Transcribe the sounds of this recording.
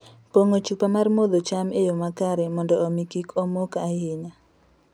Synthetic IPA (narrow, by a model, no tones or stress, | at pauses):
poŋot͡ʃupamarmod̪ot͡ʃamejomakaɾɛmɔndɔːmikikʰomokahɪɲa